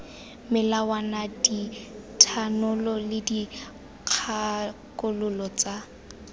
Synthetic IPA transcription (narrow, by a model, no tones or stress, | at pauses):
mɪlawanaditʰanʊlɔlɪdi | q͡χʰakʼʊlʊlɔt͡sa